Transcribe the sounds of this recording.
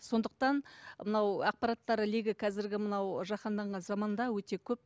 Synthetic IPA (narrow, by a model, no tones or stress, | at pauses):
so̞nd̪əq̚t̪ɑnmənɑwɑq̚pɑɾɑt̪ːɑɾəliɡʲɪqʰɑzɪɾɡʲɪmənɑwʒɑqɑnd̪ɑɴʁɑnzɑmɑnd̪ɑwɵt̪e̞kʲʰɵp̚